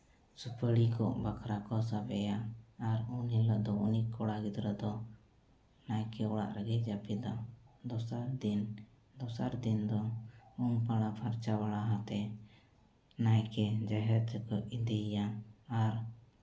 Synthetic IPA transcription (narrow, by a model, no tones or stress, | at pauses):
supəɽikɔʔbakʰɾakɔsabɛjaːɾunilɔʔd̪ɔunikʰɔɽaɡid̪ɾəd̪ɔ | najkɛɔɽa̰ʔɾəɡɛd͡ʒapid̪ɔd̪ɔsaɾd̪in | d̪ɔsaɾd̪ind̪ɔunpaɽ̃apʰaɾt͡ʃawaɽaɦãt̪ɛ | najkɛd͡ʒaɦɛt̪əkɔʔid̪ijaːɾ